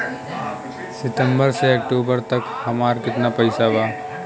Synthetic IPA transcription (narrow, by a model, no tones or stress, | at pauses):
sɪt̪ə̃mbəɾseɐk̚ʈoːbəɾt̪ɐkhɐmaːɾkɪt̪napɐɪsabaː